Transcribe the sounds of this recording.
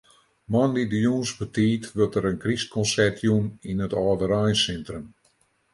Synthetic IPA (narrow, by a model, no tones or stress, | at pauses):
mɔnlidəjunsbətʰiːtʋøtəɾənkrist̚kʰɔnsɛrtʰjuninətɔːdəɾajnsɛntrəm